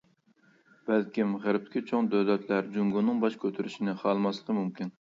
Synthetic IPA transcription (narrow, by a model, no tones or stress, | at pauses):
bælkʲimʁəɾɪp̚t̪ʰɪ̥kʲʰit͡ʃʰoŋd̪ød̪ɛt̪ʰlæɾd͡ʒuŋɡunɨŋbɑʃkʲʰøt̪ʰyɾyʃinɪχɑlˠmɑslˠəqʰəmumkʲin